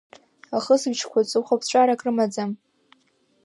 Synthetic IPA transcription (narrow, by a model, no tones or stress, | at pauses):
aχəsɨbt͡ʃʰkʷat͡sʼɨχapʰt͡ɕʷʼaɾakʼrɨmad͡zam